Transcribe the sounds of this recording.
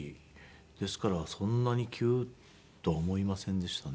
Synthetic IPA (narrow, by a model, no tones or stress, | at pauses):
i | d̪̥e̞sɨ̥kaɾasõ̞nːaɲ̟ikʲʰɨː | t̪o̞ːmo̞imasẽ̞nd̪e̞ɕi̥t̪an